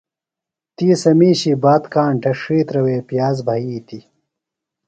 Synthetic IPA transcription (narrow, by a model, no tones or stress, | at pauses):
t̪iːsɐmiːɕibaːt̪kaːɳʈʰɐʂiːt̪ɾɐweːpjaːzbʱɐiːt̪i